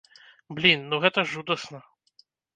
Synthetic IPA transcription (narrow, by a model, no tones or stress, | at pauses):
blʲinːuɣɛt̪ɐʐud̪ɐsnɐ